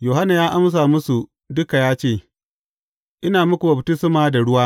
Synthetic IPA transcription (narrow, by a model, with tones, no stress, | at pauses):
joː˨ɦa˦na˨jaː˦ʔa˦ms̬aː˨mʊ˦su˨ | dʊ˦ka˨jaː˦t͡ʃeː˦˨ | ʔɪ˦naː˨mʊ˦kʷu˨bɐ˨btɪ˦sɪ˦maː˨da˨ɽʊ˦waː˦